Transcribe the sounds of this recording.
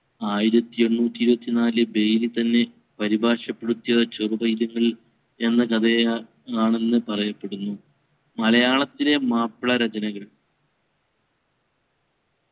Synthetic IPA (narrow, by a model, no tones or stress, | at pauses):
aːjiɾɐt̪ːio̞nːuːt̪ːiːɾubɐt̪ːinaːlɨbe̞jlit̪ɐnːe̞ | pɐɾibʱaːʂɐpːe̞ɽut̪ːijɐt͡ɕorubɐjd̪ɐŋːɐɭ | e̞nːɐkɐd̪ɐj | aːɳe̞nːɨpɐrɐjɐpːe̞ɽunːu | mɐlɐjaːɭɐt̪ːile̞maːpːɭɐɾɐt͡ɕɐnɐɣɐɭ